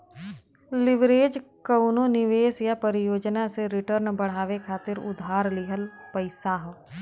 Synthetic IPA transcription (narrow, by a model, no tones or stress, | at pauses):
lɪʋɾeːd͡ʒkəʊnonɪʋeːsjapəɾɪjoːd͡ʒnaseɾɪʈəɾnbəɽ̤aːʋekʰaːt̪ɪɾʊ̰d̪ʱaːɾlɪɦəl | pəɪsaɦ